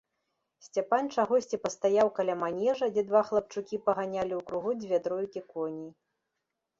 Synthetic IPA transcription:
sʲt͡sʲapanʲt͡ʂaɣɔsʲt͡sʲipɐst̪ajawkɐlʲamanʲɛʐɐd͡zʲɛd̪vaxlˠɐp̚t͡ʂukʲipɐɣanʲalʲiwkɾuɣud͡zʲvʲɛd̪ɾɔjkʲikɔnʲij

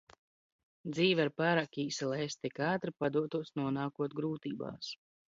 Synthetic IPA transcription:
d̪ziːvaɾpaɾakʲiːslˠɛest̪ikaːt̪ɾɨpad̪uɔt̪uɔsnuɔnaːkuɔt̪ɡɾuːt̪iːba̰ːs

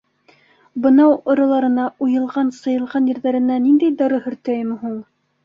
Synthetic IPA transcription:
bɤ̆nɑwŏɾɑ̆lˠɑɾɤ̆nɑʔujɤ̆lˠʁɑnsɤ̆jɤ̆lˠʁɑnjɘ̆ɾðæɾɘ̆nænind̪æjd̪ɑɾɤhɵ̆ɾt̪æjɘmɘ̆ɦuɴ

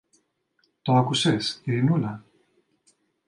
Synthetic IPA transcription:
t̪oakusesiinula

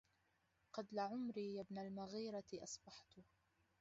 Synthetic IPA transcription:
qɑd̪laʕʊmɾiːjabnalmaɣiːɾɑʔɑsˤbɑħt̪ʊ

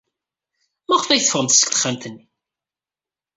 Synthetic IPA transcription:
mæχfæjθəfəʁəmt̪sə̥kt̪ə̥χːamt̪ənːi

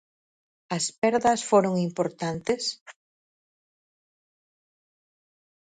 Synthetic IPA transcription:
ɐspɛɾðɐsfoɾoŋimpoɾt̪ant̪es

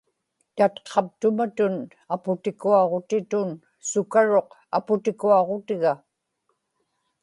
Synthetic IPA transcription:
t̪at̪qʰɑp̚t̪ʊmat̪ʊn | apʊt̪ɪkuɑʁo̞t̪ɪt̪ʊn | sʊkaɻo̞q | apʊt̪ɪkuɑʁo̞t̪ɪɣa

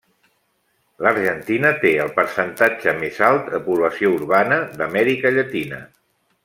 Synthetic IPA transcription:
ləɾʒənt̪inət̪eəlˠpəɾsənt̪ad͡ʒəmezalˠt̪əpuβ̞ləsiouɾβanəðəmɛɾikəʎət̪inə̰

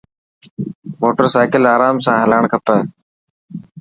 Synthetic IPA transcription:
moːʈəɾsaːkɪlaːɾaːmsãːɦəlaːɳkʰəpeː

